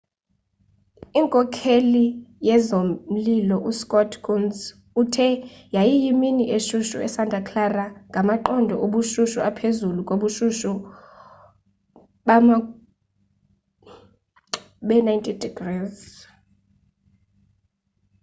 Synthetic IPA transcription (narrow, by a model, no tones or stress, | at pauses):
iŋkʼɔkʰelijɛzomm̩lilɔʔuskʼɔtʰɡunz | utʰɛjajijiminiʔeʃuʃṵɛ̰santʼakʰlaraŋɡʱamaǃɔndʱɔʔoɓuʃuʃuapʰezulukʼoɓuʃuʃu | ɓama | ɓɛnajntʼidiɡ̥riːz